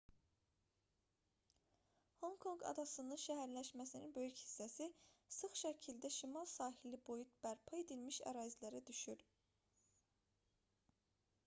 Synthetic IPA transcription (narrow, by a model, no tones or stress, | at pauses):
ho̞ŋkʰo̞ŋɡɑ̰d̪ɑsɯnɯnʃæɦæɾlæʃmæsininbø̞jychi̥sːæsisɯχʃæcʰild̪æʃimɑlˠsɑːhilibo̞jut̪̚b̥æɾpʰɑe̞d̪ilmiʃæ̰ɾɑːzilæɾæd̪yʃyɾ